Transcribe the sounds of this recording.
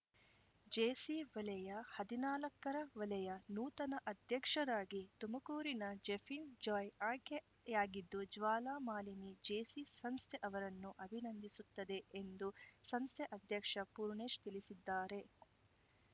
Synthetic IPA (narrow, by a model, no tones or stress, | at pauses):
d͡ʒeːsiʋɐlɛjɐhɐd̪inaːlɐkːɐɾɐʋɐlɐjɐnuːt̪ɐnɐʔɐd̪ʱjɐkʂɐd̪aːɡit̪umɐkuːɾinɐd͡ʒefʰind͡ʒɔːjaːke | jaːɡid̪ːud͡ʒʋaːlaːmaːlinid͡ʒeːsisɐnst̪ʰɛʔɐʋɐɾɐnːuʔɐbʱinɐnd̪isut̪ːɐd̪e̞ːnd̪usɐnst̪ʰɛʔɐd̪ʱjɐkʂɐpuːɾɳeːʂt̪ilisid̪ːaːɾe̞